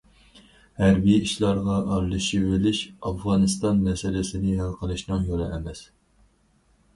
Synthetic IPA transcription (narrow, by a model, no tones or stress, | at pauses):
hæɾbijiʃlˠɑɾʁɑʔɑɾlˠɨʃivɪlɪʃɑfʁɑnɨst̪ɑnmɛsɪlɪsɪnɪɦælˠqʰəlˠɨʃnɨŋjolˠɨ̰ʔɛmɛs